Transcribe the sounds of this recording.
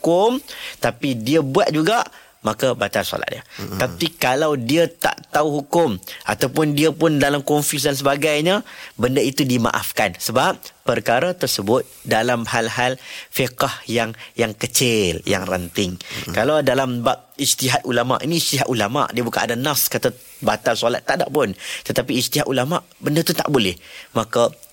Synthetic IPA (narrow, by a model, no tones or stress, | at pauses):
kʊmt̪apidiəbuat̪̚d͡ʒuɡaʔ | makəbat̪alsɔ̰la̰ʔdiət̪apikalawdiət̪a̰ʔt̪auɦukʊmʔa̰t̪awpʊndiəpʊndalamkɔnfis̬dans̬əbaɡajɲəbəndəit̪udima̰ʔa̰fkansəbap̚pərkaɾət̪ərsəbʊt̪̚dalamhalɦalfikahjaŋjaŋkət͡ʃɪlja̰ŋrənt̪ɪŋkalawdalambap̚ist̪iɦat̪̚ulama̰ʔinĩsiɦaʔ̪ʔulama̰ʔdiəbuka̰nadanaskat̪a | bat̪alsala̰t̪ːaʔda̰ʔpʊnt̪ət̪apiːst̪iɦat̪ulamaʔbəndət̪ut̪a̰ʔbolɛhmakə